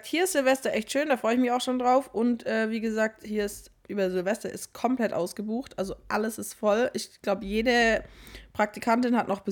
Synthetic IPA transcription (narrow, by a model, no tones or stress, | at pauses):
k̚thiːɐɪstz̥ɪlvɛstɐʔɛçtʃøːndaːfʁ̥ɔʏəɪçmɪçaʊxʃoːndʁaʊfʔʊntʔɛːviːɡəzaːk̚thiːɐɪst | ʔyːbɐzɪlvɛstɐʔɪstkʰɔmpl̥ɛtʔa̰ʊsɡ̥əbuːxtʔalzoʔaləsɪstfɔlʔɪçɡ̥laʊbəjeːdə | pʁ̥ak̚tikʰantɪnhatnɔχb̥ə